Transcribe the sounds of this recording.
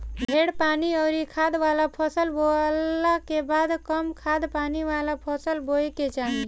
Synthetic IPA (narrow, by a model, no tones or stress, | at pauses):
bʱeɽpaːniəʊɾikʰad̪ʋalapʰəsəlbolakebad̪kəmkʰad̪paniʋalapʰəsəlboeket͡ʃaɦi